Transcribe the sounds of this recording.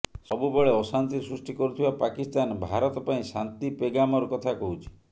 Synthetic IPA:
sɔbubeɭeɔsant̪isɾusʈikɔɾut̪ʰibapakist̪anbʱaɾɔt̪ɔpaĩsant̪ipeɡamɔɾɔkɔt̪ʰakɔɦut͡ʃʰi̥

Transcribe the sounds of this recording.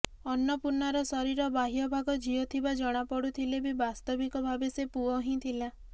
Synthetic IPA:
ɔnːɔpuɾnaɾɔsɔɾiɾɔbaɦijɔbʱaɡɔd͡ʒiɔt̪ʰibad͡ʒɔɽ̃apɔɽut̪ʰilebibast̪ɔbikɔbʱabesepuɔɦĩt̪ʰila

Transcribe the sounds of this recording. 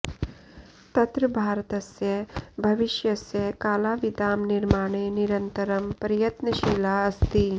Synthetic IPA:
t̪ɐt̪ɾɐbʱaːɾt̪ɐsjɐbʱɐʋiʃjɐsjɐkaːlaːʋid̪aːmniɾmaːɳ̃eːniɾɐnt̪ɐɾɐmpɐɾjɐt̪nɐʃiːlaːɐst̪iː

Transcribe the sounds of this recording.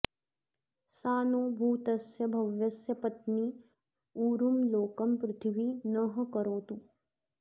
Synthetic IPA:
saːnoːbʱuːt̪ɐsjɐbʱɐʋjɐsjɐpɐt̪niː | uːɾumloːkɐmpɾɪt̪ʰʋinɐɦkɐɾoːt̪u

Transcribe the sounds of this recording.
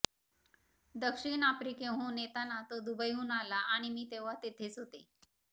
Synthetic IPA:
d̪əkʂiɳapɾikẽɦũːnet̪anat̪əd̪ubəjɦuːnalaʔaɽ̃imiːt̪eʋat̪et̪ʰet͡sɦot̪e

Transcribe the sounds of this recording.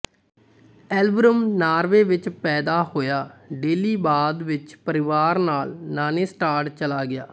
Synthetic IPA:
ɛːlbɾəmnaːɾʋeːʋɪt͡ʃpɛːd̪aːhoːjaːɖeːliːbaːd̪ʋɪt͡ʃpəɾɪʋaːɾnaːlnaːneːsʈaːɾʈt͡ʃəlaːɡɪja̰ː

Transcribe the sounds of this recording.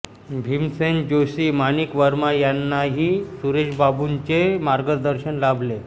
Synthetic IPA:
bʱimsend͡ʑosiːmanikʋəɾmajanːaɦiːsuɾeɕbabuɲt͡ɕemaɾɡəd̪əɾɕənlabʱle

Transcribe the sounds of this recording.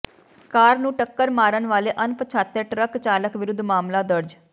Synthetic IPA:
kaːɾnũːʈəkːəɾmaːɾənʋaːleːʔənpət͡ʃʰaːt̪ːeʈɾəkt͡ʃaːləkʋɪɾʊd̪ʱːmaːmlaːd̪əɾd͡ʒ

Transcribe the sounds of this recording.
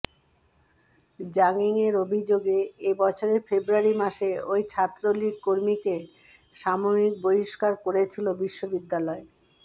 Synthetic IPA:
d͡ʑaŋiŋeɾobʱid͡ʑoɡeebɔt͡ɕʰoɾeɾfebɾuaɾimaʃeojt͡ɕʰat̪ːɾoliɡ̚koɾmike | ʃamomik̚boiʃkaɾkoɾet͡ɕʰilobiʃːobid̪ːalɔe

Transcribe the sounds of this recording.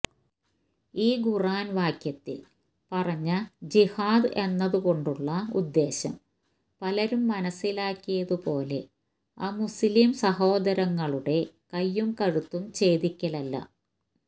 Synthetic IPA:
iːɡuraːnʋaːkjɐt̪ːḭl | pɐrɐɲːɐd͡ʑihaːd̪e̞nːɐðuɣo̞ɳɖuɭːɐṵd̪ːe̞ːɕɐ̰m | pɐlɐɾumːɐnɐsːilaːkːijɐðupo̞ːle̞̰ | aːmuslimsɐɦo̞ːd̪ɐɾɐŋːɐɭuɽe̞kɐjːumkɐɻut̪ːumt͡ɕe̞ːd̪ikʲːɐlɐlːɐ̰

